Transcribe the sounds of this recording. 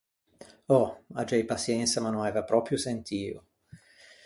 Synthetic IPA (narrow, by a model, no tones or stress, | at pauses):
ɔad͡ʒɛjpasjɛnt̪samanːõnaɛːvapɾɔːpɾjosent̪ʰiːo